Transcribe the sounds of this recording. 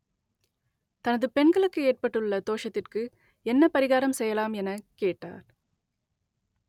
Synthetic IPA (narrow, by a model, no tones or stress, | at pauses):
t̪ɐnɐðɯpɛɳɡɐɭɯkːɯeːrpɐʈːɯɭːɐt̪oːʂɐt̪ːɪrkɯ | ɛnːɐpɐɾɪɣaːɾɐmsɛjːɐlaːmɛnɐkeːʈːa̰ːɾ